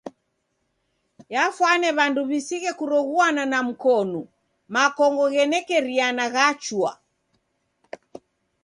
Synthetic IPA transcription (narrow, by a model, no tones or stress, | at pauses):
jafwanɛβanduβisiɣɛkuɾɔɣuananam̩kɔnu | makɔŋɡɔɣɛnɛkɛɾianaɣat͡ʃwa̰